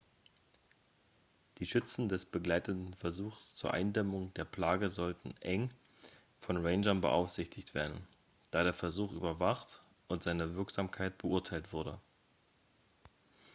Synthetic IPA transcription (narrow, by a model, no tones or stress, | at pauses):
d̥iːʃʏt͡sn̩dɛsb̥əɡlaɪtətn̩fɛɐzuːxst͡suːɐʔa̰ɪndɛmʊŋdeːɐpl̥aːɡəzɔltn̩ʔɛŋ | fɔnʁeɪnʒɐnbə̰ʔa̰ʊfz̥ɪçtʰɪçtv̥ḛːɐdn̩ | d̥aːɾeːɐfɛɐzuːχʔy̰ːbɐvaχt | ʔʊntz̥aɪnəvɪɐkz̥aːmkʰaɪt̚b̥əʔʊɐtʰaɪltv̥ʊɐdə